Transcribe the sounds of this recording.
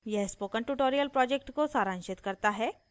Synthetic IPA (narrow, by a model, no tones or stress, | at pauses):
jɛspokəɳʈuʈoɾijəlpɾɔd͡ʑek̚ʈkosaɾãnɕet̪kəɾt̪aɦɛ